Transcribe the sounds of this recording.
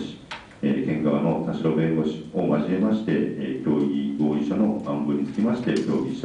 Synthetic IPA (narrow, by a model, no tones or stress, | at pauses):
ɕi̥ | ekẽ̞ŋɡaβano̞t̪aɕiɾo̞bẽ̞ŋɡoɕomaʑime̞maɕi̥t̪e̞kʲo̞ːiɡo̞ːiɕano̞ãmbɯɲʲit͡sɨ̥kʲimaɕi̥t̪e̞kʲo̞ːɡʲiɕi̥t̪